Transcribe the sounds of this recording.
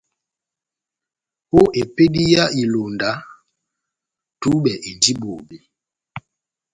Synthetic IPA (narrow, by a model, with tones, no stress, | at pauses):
po˦ʔe˨pe˦di˦ja˦i˨lo˨nda˨˦ | tu˦ɓɛ˨ʔe˨ndi˦bo˨be˨